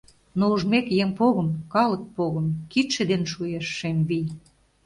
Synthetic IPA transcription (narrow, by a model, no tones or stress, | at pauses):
nouʒmekjeŋpoɣə̆mkɑlə̆k̚poɣə̆mkit̪ʃĕd̪enʃujeʃːemβij